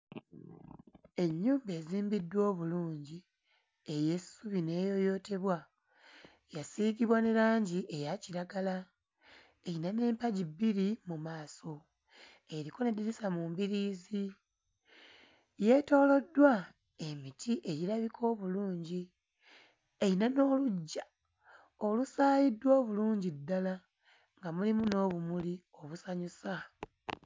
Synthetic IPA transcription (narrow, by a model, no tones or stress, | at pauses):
e̞ɲːuːmbe̞ːziːmbidːwo̞ːβuluːɲɟi | e̞je̞suβine̞ːjo̞jo̞ːte̞βwa | jasiːɡiβwaneɾaːɲɟiʔejaciɾaɡala | einane̞ːmpaɟibːiɾimumaːso̞ | eɾiko̞nediɾisamumbiɾiːzi | je̞to̞ːlo̞dːwa | e̞mitʰiʔe̞ɟiɾlaβikʰo̞ːβuluːɲɟi | e̞jinano̞ːluɟːa | olusaːjidwo̞ːβuluːɲɟidːala | ŋɡamulimuno̞ːβumuli | o̞βusaɲusa